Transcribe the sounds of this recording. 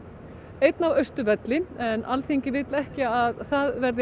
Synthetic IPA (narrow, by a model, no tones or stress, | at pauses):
ejt̪navœɥst̪ʏvɛt̪lɪɛnːʔa̰lθeɲcɪvɪt̪lɛhcɪaðθaðvɛɾðɪ